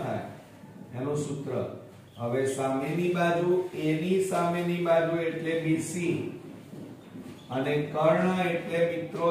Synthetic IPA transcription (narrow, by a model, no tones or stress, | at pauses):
t̪ʰa̰j | enõsʊt̪ɾə̰ | ɦəʋesamenibad͡ʒ̪ʱũenisamenibad͡ʒ̪ʱueʈlemisi | ənekəɾɳəeʈlemit̪ɾo